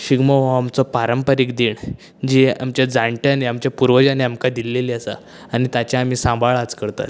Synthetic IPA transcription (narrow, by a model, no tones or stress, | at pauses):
ɕiɡmɔɦɔamt͡sɔpaɾəmpəɾiːkd̪iːɳ | d͡ʑia̰mt͡ɕjad͡zãɳʈjaneamt͡ɕjapuɾʋəd͡ʑaneamkad̪ilːeliːasa̰ | añit̪at͡ɕjaam̤iːsãbʱaɭad͡zkəɾt̪a̰t̪